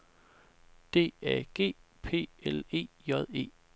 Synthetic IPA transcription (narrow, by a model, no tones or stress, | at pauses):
d̥e̝̰ːæɡ̥e̝̰ːpʰe̝̰ːele̝̰ːjɒð̰ˠe̝̰ː